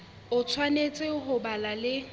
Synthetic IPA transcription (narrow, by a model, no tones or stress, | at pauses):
ʊt͡sʰwanet͡sʼɪʊɦʊbalalɪ